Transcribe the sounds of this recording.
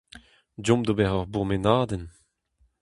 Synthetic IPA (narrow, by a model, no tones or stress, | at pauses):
dɔ̃md̪obɛʁɔʁbuʁmenaːd̪ɛn